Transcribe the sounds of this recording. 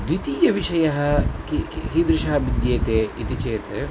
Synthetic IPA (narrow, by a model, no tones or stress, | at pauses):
d̪it̪iːjɐʋiʃɐjɐɦɐkikikid̪ɾɪʃɐɦɐbid̪jeːt̪eːit̪it͡ʃeːt̪e